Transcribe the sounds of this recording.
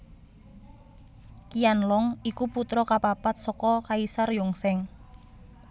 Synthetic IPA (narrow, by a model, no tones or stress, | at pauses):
kijanlɔŋikuput̪ɾɔkapapat̪̚sɔkɔkaisarjɔŋsɛŋ